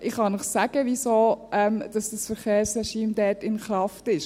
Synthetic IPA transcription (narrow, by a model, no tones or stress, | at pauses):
ʔɪχhɑnəχsæɡ̥əʋisoːɛmd̥ɑsd̥əsfəɾχeːɾsrɛʃiːmdɛːtɪnχɾɑftɪʃ